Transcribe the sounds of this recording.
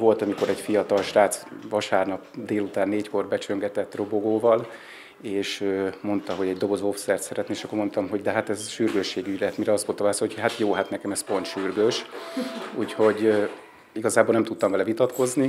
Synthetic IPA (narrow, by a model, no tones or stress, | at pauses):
vo̞lt̪ɒmiko̞ɾɛcfijɒt̪ɒlʃraːt̪sʋɒʃaːrnɒpd̪eːlut̪aːnːeːcko̞rbɛt͡ʃøŋɡɛt̪ɛt̪ːro̞bo̞ɡoːvɒl | eːʃømo̞n̪t̪ɒɦo̞ɟɛɟd̪o̞bo̞zoːofsɛrt̪sɛɾɛt̪nieːʃɒkːormo̞nt̪ɒmɦo̞ɟd̪ɛɦat̪ɛzʃyrɡøʃːeːɡyɟʲlɛt̪miɾɛɒst̪mont̪ɒvaːsoocʰo̥ɦat̪joːɦat̪nɛkɛmɛspont̪ʃyrɡøʃ | uːcho̞ɟ | iɡɒzaːbolnɛmt̪ut̪ːɒmvɛlɛvit̪ɒt̪ko̞zni